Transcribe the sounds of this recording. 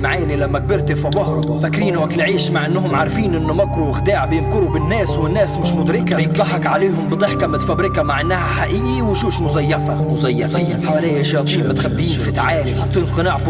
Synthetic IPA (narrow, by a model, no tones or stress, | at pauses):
mʕaːnilamːak̚bɪɾt̪efɑbɑːhɾ | fakɾiːnwʔakɪlʕiːʃmaʕʔɪnːɦʊmʕaɾˤfiːnʔɪnːʊmakɾuɪxd̪aːʕbjɪmkʊɾubɪnːæːswɪnːæːsmɪʃmʊd̪ɾɪkat̪ˤːɑħɑkʕaleːɦʊmbɪt̪ˤɪħkamːɪt̪fabɾɪkamaʕʔɪnːahaħaʔɪʔʔiwʃuːʃmʊzajːafamʊzajːafa | ħawalæjaʒɑːt̪ˤiːmmɪt̪xabːiːnfit̪ʕaːlħɑt̪ˤːiːnqɨnaːʕfi